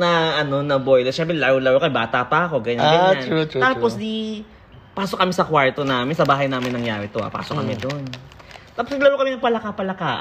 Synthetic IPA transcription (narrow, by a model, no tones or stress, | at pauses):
nɐʔɐno̞nɐbojlɛsʃɛmbɾɛlɐɾowlɐɾowkɐmɛbaːt̪ɐpɐʔɐko̞ɡɐɲanɡɐɲat̪aːposd̪i | paːsokːɐmɛsɐkwaɹt̪onaːmɪnsɐbaːɦɐjnaːmɪnɐŋjaːɾɛt̪oʔa̰pa̰ːsokːɐmɛd̪ont̪aːposnɐɡlɐɾowkɐmɛnɐɡ̚pɐlɐkapɐlɐkaːʔ